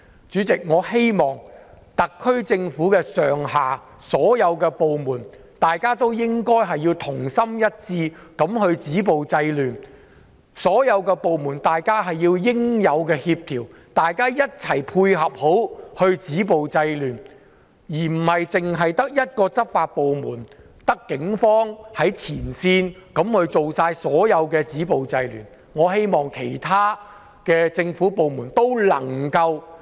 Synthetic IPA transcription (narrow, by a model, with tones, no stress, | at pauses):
t͡ʃyː˨˥t͡sɪ˨k̚ŋɔː˨˧he˥jmɔː˨˩ŋ | t̪ɐ˨kʰːɵ˥ɥt͡sɪ˧ŋfuː˨˥kɛː˧sœː˨˩ŋɦaː˨ | sɔː˨˥jɐ˨˧wkɛː˧po˨wmuː˨˩n | t̪aː˨jkaː˥t̪o˥wjɪ˥ŋkɔː˥jɦɐ˨jːiː˧wt̪ʰʊ˨˩ŋsɐ˥mjɐ˥t̚t͡siː˧kɐ˨˥mɦɵ˧ɥt͡siː˨˥p̬o˨wt͡sɐ˧jlyː˨n | sɔː˨˥jɐ˨˧wkɛː˧po˨wmuː˨˩nt̪aː˨jkaː˥ɦɐ˨jːiː˧wjɪ˥ŋjɐ˨˧wkɛː˧hiː˧p̚t̪ʰiː˨˩w | t̪aː˨jkaː˥jɐ˥t̚t͡sʰɐ˨˩jpʰuː˧jɦɐ˨p̚ho˨˥whɵ˧ɥt͡siː˨˥p̬o˨wt͡sɐ˧jlyː˨˩n | jiː˨˩m̩˨˩hɐ˨jt͡sɪ˨˩ŋɦɐ˨jt̪ɐ˥k̚jɐ˥t̚kɔː˧t͡sɐ˥t̚faː˧t̚po˨wmuː˨˩n | t̪ɐ˥kːɪ˨˥ŋfɔː˥ŋhɐ˨˥jt͡sʰiː˨˩nsiː˧nkɐ˨˧˥mhɵ˨˧ɥt͡so˨wsaː˧jsɔː˨˥jɐ˨˧wkɛː˧t͡siː˨˥po˨wt͡sɐ˧jlyː˨˩n | ŋɔː˨˧he˥jmɔː˨˩ŋkʰe˨˩jt̪ʰaː˥ | kɛː˧t͡sɪ˧ŋfu˨˥po˨wmuː˨˩nt̪o˥wlɐ̰˨˩ŋkɐ˧w